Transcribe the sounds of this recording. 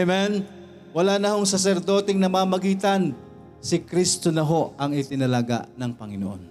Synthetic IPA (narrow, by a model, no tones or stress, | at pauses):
mɛn | wɐlaːnɐho̞ŋsɐs̬ɛɾd̪o̞ːt̪ɛŋnɐmaːmɐɡiːt̪ɐn | sɪkɾist̪o̞nɐɦo̞ʔɐŋɪt̪ɪnɐlaːɡa̰ʔnɐŋpɐŋɪnoʔo̰n